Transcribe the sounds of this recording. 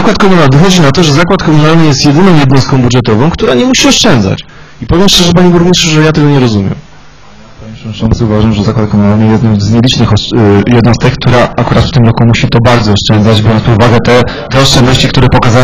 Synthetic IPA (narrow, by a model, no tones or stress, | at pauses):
kwat̪kɔmunad̪ɘxɔd͡ʑinat̪ɔʐɛzakwat̪kɔmunalnɘjɛst̪jɛd̪ɘnɔ̃w̃jɛd̪nɔst̪kɔ̃w̃budʐɛt̪ɔvɔ̃w̃kt̪uɾaɲɛmuɕiɔʂt͡ʂɛnd̪za̰t͡ɕ | ipɔvʲjɛmʂt͡ʂɛʐɛpaɲiɡuɾmʲisʂuʐɛjat̪ɛɡɔɲɛɾɔzumʲjɛ̰m | paɲɛpʂɔ̃t͡ʂɔnt̪sɨuvaʐamʐɛzakwat̪̚kɔmunalnɘjɛd̪nɔzɲɛlʲit͡ʂnɘxɔjɛd̪nast̪ɛxk̚t̪ʰuɾaakuɾat̪ft̪ɘmɾɔkumuɕit̪ɔbaɾd̪zɔɔʂt͡ʂɛnd̪zad͡ʑbʲjɔɾjɔnspɔd̪uvaɡɛt̪ɛ | t̪ɛɔʂt͡ʂɛnd̪nɔɕt͡ɕikt̪uɾɛpɔkaza